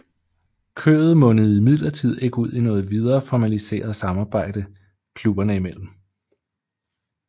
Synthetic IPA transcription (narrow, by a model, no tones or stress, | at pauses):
kʰø̰ːð̞̩ˠmɔ̽nəð̞̩ˠimið̰ˠlɐt͡sʰið̞̰ˠe̝ɡ̥əuð̰ˠinɔ̽ːð̩ˠʋið̞ˠɐːfɒmælise̝̰ːɐð̞̩ˠsɑ̈mɑ̈ːb̥ɑ̈ɪ̰d̥ə | kʰlub̥ɐnəimel̰m̩